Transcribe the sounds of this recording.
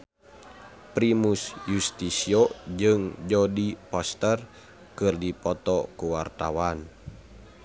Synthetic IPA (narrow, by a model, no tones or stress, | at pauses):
pɾimusjust̪isiɔd͡ʒɨŋd͡ʒɔdipɔst̪ər | kɨrdipɔt̪ɔkuwart̪awan